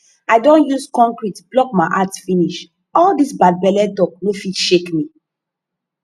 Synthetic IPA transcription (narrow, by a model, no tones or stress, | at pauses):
aɪdõnjuskɔ̃ŋkɹitblɔk̚maɪʔatfiniʃ | ɔldisbad̚bɛlɛd̚tɔk̚nefiʃekmi